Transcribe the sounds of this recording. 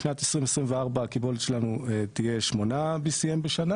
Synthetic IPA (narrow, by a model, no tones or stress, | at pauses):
ʃnat̪esʁimesʁimveaʁbaːkibo̞let̪ʃelanuet̪ije̞ʃmo̞nabisijembeʃana